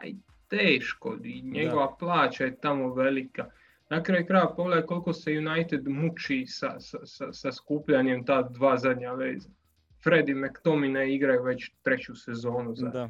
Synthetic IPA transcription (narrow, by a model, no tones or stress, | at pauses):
a̰ḭ | t̪eːʃko̰iɲeɡo̞ʋaplˠaːt͡ɕajet̪amo̞ʋe̞lika | nakɾaːjukɾaːjʋapoɡle̞d̪ajko̞lko̞sejunajt̪ed̪mut͡ʃisa̰sasasaskupʎaɲemt̪aːd̪ʋaːzad̪ɲaʋḛːza | fɾe̞d̪imekt̪ominaiɡɾajuʋe̞t͡ɕt̪ɾet͡ɕusezo̞ːnuza